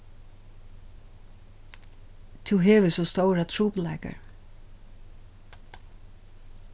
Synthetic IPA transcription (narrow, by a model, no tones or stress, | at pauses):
t̪ʰuɦeːʋɪsɔst̪owɾat̪ʰɹuːplaɪka̰ɹ